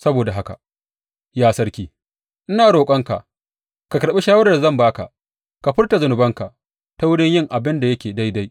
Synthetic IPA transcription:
sɐ˦boː˨da˨ɦa˦ka̰˨ | jaː˦sɐ˦ɾkʲiː˦ | ʔɪ˦naː˨ɽoː˨kʷʼɐ˦ŋka̰˨ʔ | ka˨kɐ˨ɾɓe˦ʃaː˦wɐ˦ɾa˨zɐ˦˨mbaː˦ka̰˨ʔ | ka˨ɸɪ˦rta˨zʊ˨nʊ˨bɐ˦ŋka˨ | ta˦wʊ˦ɽɪ˦ɲjɪ˦ŋʔa˨bɪ˦nda˨jɐ˦kʲeː˨da˦jda˦j

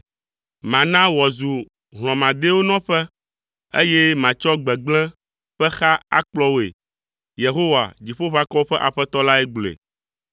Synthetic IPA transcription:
mã˨nã˦wɔ˨zu˨ | ɦl̃ɔ̃˨mã˨d̪e˦wo˦nɔ̃˦ɸɛ˦ | ḛ˦je˦mã˨t͡ʃɔ˦ɡ͡bɛ˨ɡ͡blɛ̃˦ | ɸɛ˦xa˦a̰˦k͡plɔ˦wo˦ḛ˨ | je˨ɦo˦wa̰˨d͡ʑi˨ɸo˦ɸa˦kɔ˦o˦ɸɛ˦ʔa˨ɸɛ˦t̪ɔ˦la˦ɛ˦ɡ͡blḛ˨

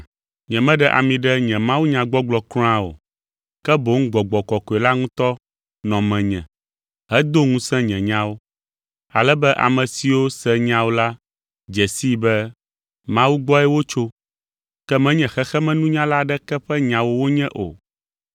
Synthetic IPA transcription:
ɲɛ̃˨mɛ̃˦ɖɛ˦ʔa̰˨mĩ˨ɖɛ˦ɲɛ̃˨mã˦wu˦ɲã˨ɡ͡bɔ˦ɡ͡blɔ˨kl̃ã˦o̰˨ | kɛ˦bo˨˦ŋ̩˦ɡ͡bɔ˨ɡ͡bɔ˨kɔ˨kɔ˨ɛ˨la˦ŋũ˦t̪ɔ˦ | nɔ̃˨mɛ̃˨ɲɛ̰̃˨ | ɦɛ˦d̪o˦ŋũ˦sɛ̃˦ɲɛ̃˨ɲã˦wo˦ | a˨lɛ˦bɛ˦ʔa̰˨mɛ̃˨si˨wo˦sɛ̃˦ɲã˦wo˦la˦ | d͡ʒɛ˨si˦bɛ˦ | mã˦wu˦ɡ͡bɔ˦ɛ˦wo˦t͡ʃo˦ | kɛ˦mɛ̃˦ɲɛ̃˨xɛ˦xɛ˦mɛ̃˦nũ˦ɲã˦la˦ɖɛ˦kɛ˦ɸɛ˦ɲã˨wo˦wo˦ɲɛ̃˦ʔo̰˨

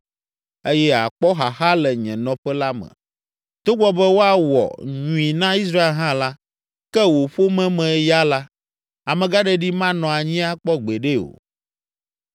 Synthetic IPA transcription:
e˦jɛ˦a̰˨k͡pɔ˦ɦa˨xa˦lɛ˨ɲɛ̃˨nɔ̃˦ɸɛ˦la˦mɛ̰̃˨ | t̪o˦ɡ͡bɔ˦bɛ˦wo˦a˦wɔ̰˨ɲũ˨i˨nã˦i˦s̬ɾa˦e˦lɦã˦la˦ | kɛ˦wo˨ɸo˦mɛ̃˦mɛ̃˨ɛ˦ja˦la˦ | a˨mɛ̃˨ɡa˦ɖɛ˦ɖi˦mã˦nɔ̃˨a˨ɲĩ˦a˦k͡pɔ˦ɡ͡be˨ɖe˦o̰˨

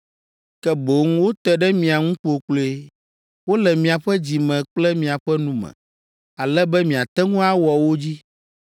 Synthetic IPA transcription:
kɛ˦bo˨ŋ̃˦wo˦t̪ɛ˦ɖɛ˦mĩ˨a˨ŋũ˦k͡po˨k͡ple˦ | wo˦lɛ˨mĩ˨a˨ɸɛ˦d͡ʑi˨mɛ̃˨k͡plɛ˦mĩ˨a˨ɸɛ˦nũ˦mɛ̰̃˨ | a˨lɛ˦bɛ˦mĩ˨a˨t̪ɛ˦ŋũ˦a˦wɔ˨wo˦d͡ʑi˦

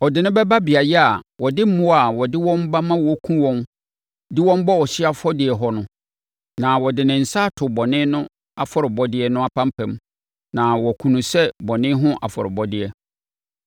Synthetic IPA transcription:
ɔ˨dɪ˨nʊ̃˦bɛ˦ba˦bi˨a˨jɛ˦a˨wʔɔ˨dɪ˦m̩˦mʊ̃˦a˨wɔ˨dɪ˦wɔ̃˦m˦ba˦mã˦wɔ˦kʰũ˦wɔ̃˦n | dɪ˦wɔ̃˦m˦bɔ˦wɔ˨ɕɪ˦a˦fɔ˦dɪ˨ɛ˨ɦɔ˦nʊ̃˦ | nã˨wɔ˨dɪ˨nɪ̃˨n̩˨sa˦˨tʰʊ˨bɔ˨nɪ̃˦nʊ̃˦ | a˨fɔ˦ɾɪ˨bɔ˦dɪ˦ɛ˦nʊ̃˦a˨pʰã˦m˦pʰɛ̃˨m | nã˨wɔ˨kʰũ˨nũ˨sɛ˦bɔ˨nɪ̃˦ɦʊ̃˦ʔa̰˨fɔ˨ɾɪ˨bɔ˦dɪ˨ɛ˨

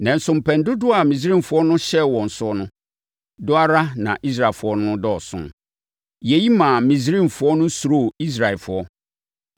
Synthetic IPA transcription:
nɛ̃˨n̩˨sʊ̃˨m̩˨pʰɛ̃˨n˦dʊ˦dʊ˦a˨mĩ˨s̬ĩ˦n˨fʊ˦ɔ˦nʊ̃˦ɕɛ˦wɔ̃˨n̩˨sʊ˦ɔ˦nʊ̃˦ | dʊ˦a˦ɾa˦nã̰˨ʔi˦s̬ɾa˨e˨fʊ˦ɔ˦nʊ̃˦ʊ̃˦dɔ˦˨sʊ̰̃˦˨ | jɛ˨ji˦mã˨mĩ˨s̬ɾĩ˦nfʊ˨˦ɔ˦nʊ̃˦su˨ɾo˦˨i˦s̬ɾa˨ɛ˨lfʊ̰˨˦ɔ˦

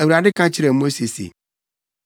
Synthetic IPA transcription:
æ˨wɾa˨dɪ˦kʰã˦t͡ɕʰɪ˦ɾɛ˨mo˦se˨sḛ˨

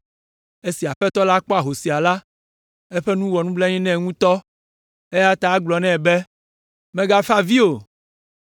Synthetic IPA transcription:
e˦si˨a˨ɸɛ˦t̪ɔ˦la˦k͡pɔ˦a˨ɦo˨si˨a˨la˦ | e˦ɸɛ˦nũ˦wɔ˨nũ˦blɛ˦ɲĩ˦nɛ̃˦˨ŋũ˦t̪ɔ˦ | e˦ja˦t̪a˨˦ɡ͡blɔ˨nɛ̃˦˨be˦ | mɛ̃˦ɡa˦fa˦vi˦o˨

